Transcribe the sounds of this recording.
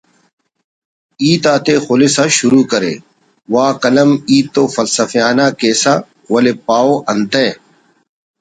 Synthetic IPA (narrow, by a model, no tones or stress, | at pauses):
iːt̪aːt̪exolesaɕuɾuːkɐɾḛː | waːkɐlɐmiːt̪ːoːfɐlsɐfijaːnaːkeːsa | wɐlepaːoːʔɐnt̪e